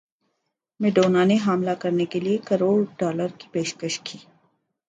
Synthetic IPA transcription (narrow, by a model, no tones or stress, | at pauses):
mɪɖoːnaneɦaːmlakɐɾnekeliekɐɾoːɽɖɔːləɾki̥peːʃkəʃkʰiː